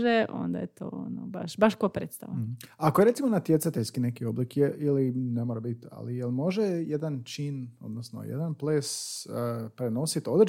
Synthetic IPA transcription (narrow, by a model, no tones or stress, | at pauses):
ʒeo̰nd̪a̰jet̪o̰ːonobaʃbaʃkopɾeːt̪st̪a̰ʋanakoje̞ɾe̞t̪imo̞nat̪jet̪sat̪eʎʲskinekio̞blikjeʔilinemoɾabit̪a̰lijelmo̞ʒejed̪ant͡ʃino̞̰d̪nosno̰jḛd̪anpleːs | pɾeno̞sit̪o̞d̪ɾ